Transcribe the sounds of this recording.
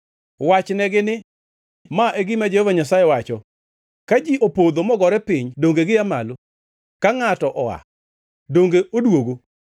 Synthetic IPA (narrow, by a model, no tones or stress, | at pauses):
wat͡ʃnɛɡɪnɪ | maʔeɡɪmad͡ʒehovaɲasajɛwat͡ʃɔ | kad͡ʒiʔopod̪omɔɡɔɾɛpɪɲdoŋɡeɡɪamalo | kaŋatɔʔɔa̰ | doŋɡeodwoɡo